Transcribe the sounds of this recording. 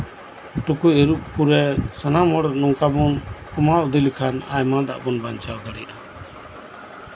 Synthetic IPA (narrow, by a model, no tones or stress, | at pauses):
ʈukueɾuʔ̚puɾɛsanamɔɽɾnɔŋkabɔnkumawd̪ilkʰana̰jmãd̪a̰ʔbɔnbaɲt͡ʃawd̪aɽijʔa